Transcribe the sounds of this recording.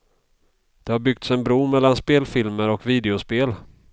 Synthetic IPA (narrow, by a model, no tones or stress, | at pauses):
d̪̥ɛhaɾbʏɡ̚t̪sɛnbɾuːmɛlːanspeːlfɪlməɾɔkviːd̪ɛʊspeːl